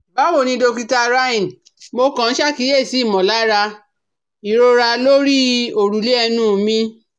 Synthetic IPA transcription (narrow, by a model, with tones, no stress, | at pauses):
ba˨˦wo˦˨nĩ˧do˧ki˧ta˧ɾa˧ĩ˨n˨ | mo˧kã˨n̩˦ʃa˦˨ki˨˦je˦˨si˨˦˨mɔ̃˨la˨˦ɾa˧ | i˨ɾo˧ɾa˧lo˦ɾi˦o˨ɾu˨le˦ɛ˧nũ˦˨mĩ˧˦